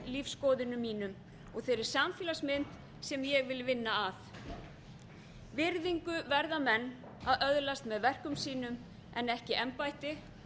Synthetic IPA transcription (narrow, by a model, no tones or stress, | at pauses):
lifskɔːðɪnʏmːiːnʏm | ɔɣθejɾɪɾ̥samfiːlasmɪnt̪ | sɛmjɛɣvɪlvɪnːaaθ | vɪɾðiŋkʏvɛɾðamɛnː | aðœðlast̪mɛðvɛr̥kʏmsiːnʏm | ɛ̰nɛhcɪʔɛmpajt̪ɪ